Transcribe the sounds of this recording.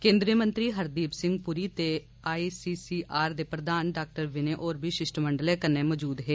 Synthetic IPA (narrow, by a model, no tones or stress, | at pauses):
kẽːnd̪ɾijəmə̃nt̪ɾiːɦəɾd̪iːpsɪŋɡpʊɾiːt̪e | aːiːsiːsiːʔaːɾd̪eːpɾəd̪aːnɖaːk̚ʈəɾʋɪneːʔoːɾbʱiːʃɪʃʈməɳɖəlɛːkənːẽːmɔːd͡ʒuːd̪ɦeː